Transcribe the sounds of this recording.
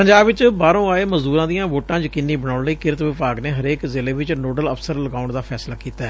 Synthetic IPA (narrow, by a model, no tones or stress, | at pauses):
pəɲd͡ʒaːbʋɪt͡ʃbaːɾõːaːeːməzd̪uːɾãːd̪ijãːʋoːʈãːd͡ʒkɪnːiːbəɽ̃aːʊɳləiːkɪɾət̪ʋɪpaːɡneːɦəɾeːkzɪleːʋɪt͡ʃnoːɖələfʰsəɾləɡaːʊɳd̪aːpʰɛːslaːkiːt̪aɛː